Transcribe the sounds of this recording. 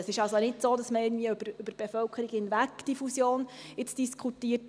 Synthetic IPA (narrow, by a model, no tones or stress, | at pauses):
əsɪʃɑlsonɪtsoːdɑsməɪɡn̩dviəøbəɾʏbəɾb̥efœlkʰəɾiɡhɪnʋæɡd̥ifusjoːnɪt͡sd̥iskʰutiət